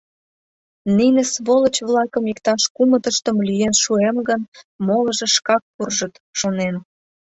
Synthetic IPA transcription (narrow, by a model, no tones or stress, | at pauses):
ninə̆sβolə̆t͡ɕβlɑkəmikt̪ɑʃkumət̪əʃt̪əmlyjenʃuemɡənmoləʒĕʃkɑk̚purʒət̪ʃonen